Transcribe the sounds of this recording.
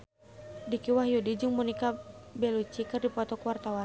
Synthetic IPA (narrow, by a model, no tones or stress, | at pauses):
dikiwaɦjudid͡ʒɨŋmɔnikabɛlut͡ʃikɨrdipɔt̪ɔkuwart̪awan